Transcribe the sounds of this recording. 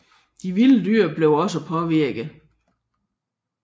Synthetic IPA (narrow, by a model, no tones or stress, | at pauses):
d̥iʋiləd̥yɐ̰b̥le̝ʊɒ̽səpʰɒ̽ʋiɐ̰ɡ̥ð̩ˠ